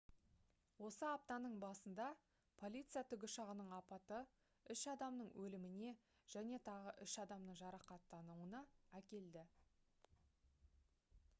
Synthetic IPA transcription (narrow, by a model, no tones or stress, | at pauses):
wo̞səɑp̚t̪ɑnəɴbɑsənd̪ɑ | pʰo̞lʲit̪sɨjat̪ʰʏɡʲɪʃɑʁənəɴɑpɑt̪ə | ʏʃɑd̪ɑmnəɴwʔɵlɪmɪne̞ | ʒ̥æne̞t̪ʰɑʁəʔʏʃɑd̪ɑmnəɴʒɑɾɑqɑt̪ːɑnuwənɑækʲe̞ld̪ɪ